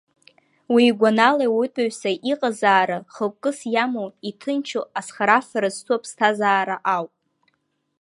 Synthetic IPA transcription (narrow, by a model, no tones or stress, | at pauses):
wiːɡʷanalawutʼaɥsaʔiqʼazaːɾaχəkʷʼkʼːɨsjamoitʰɨnt͡ʃʰoasχaɾafaɾaztʰuapʰstʰazaːɾaʔawpʼ